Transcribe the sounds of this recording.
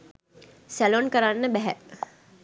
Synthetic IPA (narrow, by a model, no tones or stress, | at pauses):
sælonkəɾanːəbɛɦɛ̰